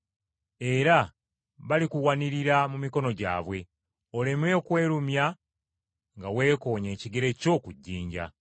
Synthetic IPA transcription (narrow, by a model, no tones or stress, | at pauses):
e̞ɾa | βalikuwaniɾiɾamumiko̞no̞ɟa̰ːβwe̞ | o̞leme̞kwe̞ːɾumja | ŋɡawe̞ːko̞ːɲe̞ːciɡeɾe̞co̞ːkuɟːiːɲɟa̰